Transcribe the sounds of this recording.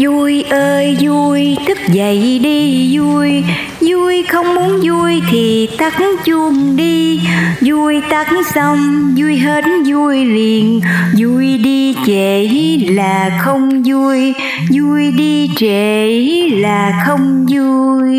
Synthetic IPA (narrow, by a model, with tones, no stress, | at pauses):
zu˧jʔəː˧jzu˧jt̪ʰɨ˦˥k̚zə˨˩˨jɗi˧zu˧j | zu˧jxə˧wŋ͡mmu˨˦ənzu˧jt̪ʰi˨˩t̪a˦˥k̚ŋt͡ɕu˧˩ŋ͡mɗi˧zu˧jt̪a˦˥k̚ŋsə˧wŋ͡mzu˧jɦe˨˥tnzu˧jli˨˩ənzu˧jɗi˧t͡ɕe˧˨˩i˦laː˨˩xə˧wŋ͡mzu˧j | zu˧jɗi˧t͡ɕe˧˨˩laː˨˩xə˧wŋ͡mzu˧j